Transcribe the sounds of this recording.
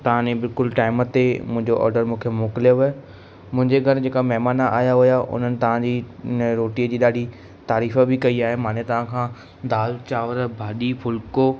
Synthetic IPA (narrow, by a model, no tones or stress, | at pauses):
t̪ɐʋ̤ãnẽbɪlkʊlʈaːɪmət̪emʊ̃ɦɪ̃ɲd͡ʑoʔɔ̰ːɾɖəɾmũːkʰemoːkɪlijoʋɪ | mʊ̃ɦɪ̃ɲd͡ʑeɡʱɐɾd͡ʑeːkamɐɦmaːnaʔa̰ːjaɦʊjaʊ̰n̤ənɪ̆t̪ɐʋ̤ãd͡ʑiːɾoːʈiːəd͡ʑiːɗaːɖʱi | t̪aːɾiːfəbɪkɐiaːɦemãːnet̪ɐʋ̤ãkʰãː | d̪aːlt͡ɕaːʋəɾbʱaːɗifʰʊlkoː